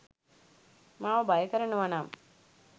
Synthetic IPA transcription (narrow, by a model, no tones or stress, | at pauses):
mãːʋɐbajəkəɾɐɳuʋanaːm